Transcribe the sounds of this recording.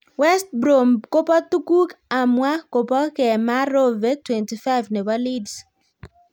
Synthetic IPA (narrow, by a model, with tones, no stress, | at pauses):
wɛ˦st̚bɾo˨mko˦pa˦tu˦ku˦ka˨mwa˦ko˨pɔ˦kɛ˨ma˦ɾo˦ve˦tʰwɛ̃˨nti˨fa˦ɪvne˨balids